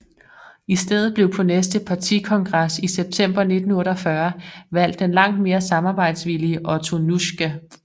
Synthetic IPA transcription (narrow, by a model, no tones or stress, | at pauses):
isd̥eð̞̰ˠð̩ˠb̥le̝ʊ̰pʰɒ̽nesd̥əpʰɑ̈t͡sʰḭkʰɒ̽ŋɡ̥ʁɑsiseb̥̚t͡sʰem̰b̥ɐne̝d̥n̩ɔ̽ːɾɒfɶɐʋæl̰d̥enlɑ̈ŋ̰d̥̚me̝ːɐsɑ̈mɑ̈ːb̥ɑ̈ɪ̰d̥sʋiliəʔɒt͡sʰo̝nuɕɡ̥æ